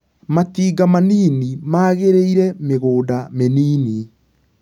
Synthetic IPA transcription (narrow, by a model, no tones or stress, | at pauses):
matiːɡamaniːnimaːɣeɾeiɾɛmeɣoːdameniːni